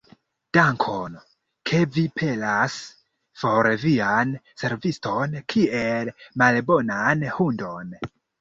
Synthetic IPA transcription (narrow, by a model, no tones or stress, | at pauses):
d̥aŋkʰon | kʰe̞vipʰe̞las | foɾvianse̞ɾvisto̞nkʰie̞lmalbo̞nanhundo̞n